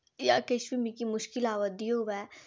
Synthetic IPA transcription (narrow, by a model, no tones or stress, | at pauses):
ja̰keʃbimikimʊʃkɪlaːʋəd̪ioʋɛ